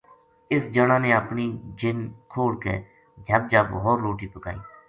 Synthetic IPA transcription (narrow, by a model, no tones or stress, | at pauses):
ɪsd͡ʒəɽãːnẽːəpniːd͡ʒɪnkʰoːɽkḛː | d͡ʒʱəb̚d͡ʒaːbɦoːɾloːʈiːpəkaːḭː